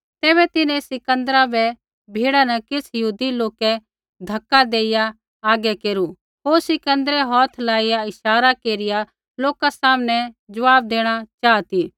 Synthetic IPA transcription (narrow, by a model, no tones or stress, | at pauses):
t̪ɛːβɛt̪ɪnɛ̃sɪkə̃nd̪əɾabɛ | bʱeːɽanɐkɪsjɐɦuːd̪iloːkɛ | d̪ʱɐkːad̪eːɪjaː | ɡɛkeːɾu | ɦoːɾsɪkə̃nd̪əɾɛɦɔːt̪ʰlaːɪjaɪʃaːɾakeːɾɪja | loːkasaːmnɛd͡ʒɐʋaːb̚d̪eːɽ̃at͡ʃaːt̪iː